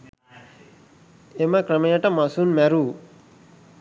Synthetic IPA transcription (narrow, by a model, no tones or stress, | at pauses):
emɐkɾɐmɐjɐʈɐmasunmɛɾu